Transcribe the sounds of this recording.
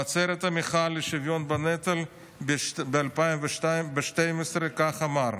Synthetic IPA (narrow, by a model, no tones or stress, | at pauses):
at͡seɾet̪ɐmiχalːeʃivjonbanet̪al | bealpajmveʃt̪ambeʃt̪ejmesɾekaχamaɾ